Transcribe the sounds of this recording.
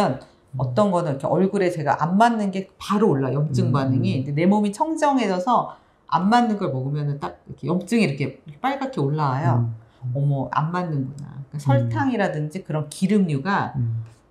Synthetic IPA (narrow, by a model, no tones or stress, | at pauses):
ʌn | ʌt͈ʌnɡʌnɯnikʰeʌɭɡuɾe̞t͡ɕe̞ɡa̰ʔamːanːɯnɡe̞paɾoːɭːajʌmt͡ɕ͈ɯŋbanɯŋiind͡ʑene̞momit͡ɕʰʌŋd͡ʑʌŋɦe̞sʰʌsʰʌ | a̰mːanːɯnɡʌɭmʌɡɯmjʌnɯnt͈ak̚iɾkʰe̞jʌmt͡ɕ͈ɯŋiɾʌkʰe̞kʰep͈aɭɡakʰioɭːawajo | ʌmʌa̰mːanːɯnɡʌna̰k͈asʰʌɭtʰaŋiɾadɯnd͡ʑikɯɾʌnkiɾɯmɲuɡa